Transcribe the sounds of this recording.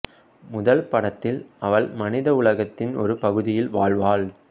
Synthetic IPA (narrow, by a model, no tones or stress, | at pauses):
mʊðɐlpɐɽɐt̪ːɪlɐʋɐɭmɐnɪðɐʊɭɐɣɐt̪ːɪnɔ̰ɾɯpɐɣɯðɪjɪlʋaːɭʋaːɭ